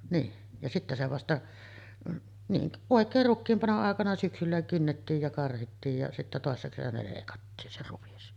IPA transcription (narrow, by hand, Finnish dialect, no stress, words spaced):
niːn jɑ sitːæ se ʋɑstɑ niːn oˑekˑeːr rukːiːm pɑnoʔ ʔɑˑekɑnɑ syksylːæ kynːetːiːj jɑ kɑrhitːiːj jɑ sitːæ toˑesːɑ kesænæ leˑikɑtːiːn se ruʋis